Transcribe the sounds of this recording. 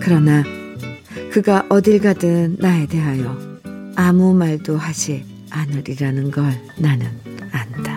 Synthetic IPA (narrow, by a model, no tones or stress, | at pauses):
kɯɾʌna | kɯɡaʔʌdiɭɡadɯnnːae̞de̞ɦajʌamumaɭdohad͡ʑi | anɯɾiɾanɯnɡʌɭnanɯnanda